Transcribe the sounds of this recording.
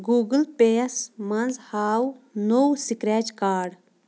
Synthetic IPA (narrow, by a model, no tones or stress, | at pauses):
ɡuːɡəlpeːɐsmɐnzhaːwnowsikɾeːt͡ʃkaːɖ